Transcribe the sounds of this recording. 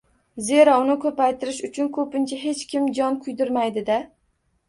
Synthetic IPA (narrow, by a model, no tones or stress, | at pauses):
ze̞ɾaʊnɪkʰɵpajt̪ʰɪɾɪʃʊt͡ʃʰʊnkʰɵpɪnt͡ʃʰaɦe̞t͡ʃkʲʰɪmd͡ʒɒnkʰʊjd̪ʊɾmajd̪ɪd̪a